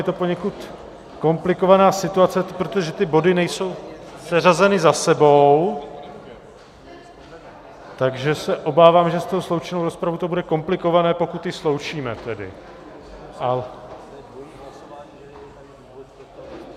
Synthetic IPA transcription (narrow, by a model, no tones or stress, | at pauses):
ɛt̪o̞po̞ɲɛkut̪ | ko̞mplɪko̞vanaːsɪt̪uat͡sɛpɾo̞t̪oʒɛt̪ɪbo̞dɪnɛjso̞wpr̥ɛrazɛnɪzasɛbow | t̪aɡʒɛsɛʔo̞baːvaːmʒɛst̪oɦoslo̞wt͡ʃɛnowɾo̞spɾavuwt̪o̞budɛko̞mplɪko̞vanɛːpo̞kut̪jɪslo̞wt͡ʃiːmɛt̪ɛdɪ̰ | ʔa